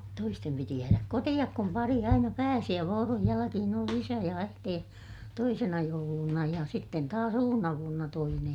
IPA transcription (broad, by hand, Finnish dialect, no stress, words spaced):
toistem piti jæːræk kotij̆ɑk kum pɑri ɑinɑ pæːsi jɑ ʋoːroj jælækihin oli isæ jɑ æiteː toisenɑ joulunɑ jɑ sitːen tɑːs uːnːɑ ʋuonːɑ toinej